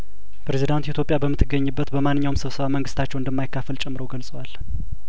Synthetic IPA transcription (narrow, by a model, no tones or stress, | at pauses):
pʰɾe̞zid̪ant̪hit̪ʰjo̞pʼjabəmːɨt̪ʰːɨɡːəɲːɨbːət̪bəmanːɨɲːawmsɨβsəβaməŋɡɨst̪ʰat͡ʃːɛwɨnd̪əmːajkːafəlt͡ʃʼɛmːɾəwɡəlsʼəwal